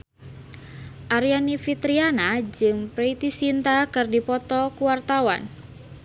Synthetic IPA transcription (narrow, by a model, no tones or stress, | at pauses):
ʔaɾianifit̪ɾianad͡ʒɨŋpɾeit̪isint̪akɨrdipɔt̪ɔkuwart̪awa̰n